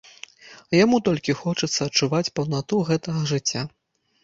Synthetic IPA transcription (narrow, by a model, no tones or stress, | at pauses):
jamut̪ɔlʲkʲixɔt͡ʂɐt̪sːɐːt͡ʂuvat͡sʲpɐwnat̪uɣɛt̪ɐɣɐʐɨt͡sʲːa